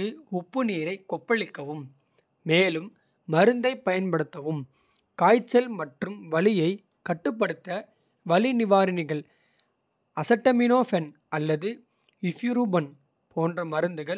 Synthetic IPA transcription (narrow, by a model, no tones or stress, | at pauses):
ɯʊpːɯniːɾɐɪkɔpːɐɭɪkːɐʋɯmː | eːlɯmː | ɐɾɯnd̪ɐɪpɐjɐnpɐɽɯt̪ːɐʋɯm | kaːjt͡ʃːɐlmɐʈrɯmʋɐlɪjɐɪ | kɐʈːɯp̬ːɐɽɯt̪ːɐ | ʋɐlinɪʋaːɾɪnɪɣɐɭ | ɐsɐʈːɐminoːfɛn | ɐlːɐðɯ | ɪfiɾuːbɐn | pʰoːndrɐmɐɾɯnd̪ɯɣɐɭ